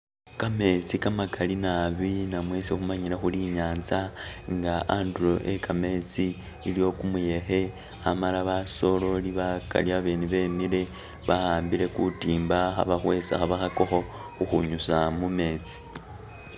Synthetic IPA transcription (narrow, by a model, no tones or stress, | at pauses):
kame̞t͡sikamakalinaβinamwe̞sexumaɲiɾaxuliɲaːnzaŋɡaanduɾo̞ʔekame̞t͡siː | lijo̞kumuje̞xe̞ | amalaβaso̞lo̞liβaka̰liaβeːniβe̞miɾe̞ | βahaːmbile̞kutiːmbaxa̰βaxwe̞sa̰xaβaxako̞xo̞ | uxuɲusamume̞ːt͡si̥